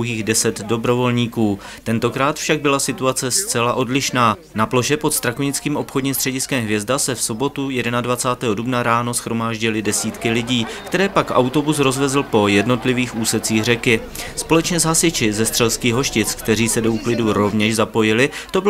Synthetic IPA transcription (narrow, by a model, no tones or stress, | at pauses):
ɦiːɣdɛsɛd̪do̞bɾo̞vo̞lɲiːkuː | t̪ɛnt̪o̞kɾaːt̪fʃaɡ̚bɪlasɪt̪uat͡sɛst͡sɛlaʔo̞dlɪʃnaː | naplo̞ʃɛpo̞t̪st̪ɾakuɲɪt͡skiːmʔo̞pxodɲiːmst̪r̥ɛɟɪskɛmɦvjɛzdasɛfso̞bo̞t̪ujɛdɛnadvat͡saːt̪ɛːɦodubnaɾaːno̞sxɾo̞maːʒɟɪlɪdɛsiːt̪kɪlɪɟiːkt̪ɛɾɛːpakʔa̰wt̪o̞bus̬ɾo̞zvɛzl̩po̞jɛdno̞t̪lɪviːxʔuːsɛt͡siːɣr̝ɛkɪ | spo̞lɛt͡ʃɲɛzɦasɪt͡ʃɪzɛst̪r̥ɛlskiːɣɦo̞ʃcɪt͡skt̪ɛɾ̝iːsɛdouklɪduɾo̞vɲɛʃzapo̞jɪlɪt̪o̞bɪ